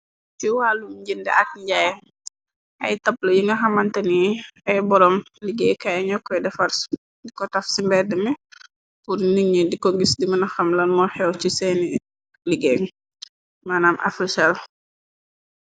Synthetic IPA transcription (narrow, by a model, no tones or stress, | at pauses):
t͡ʃuwaːlumɟindɛ̰ʔɐk̚ɲɟaj | ʔɐjtɐplɐjiŋɡɐxɐmɐntɐniɐjbɔɾɔm | liɡɛjkajɲɔkːɔjdɛfɐɾs | dikɔtɐfsimbɛdːəmi | puɾniŋɲədikɔɡisdimɐnɐxɐmlɐnmɔxɛwt͡ʃisɛni | liɡɛŋ | maːnaːmʔɐ̰fisɐl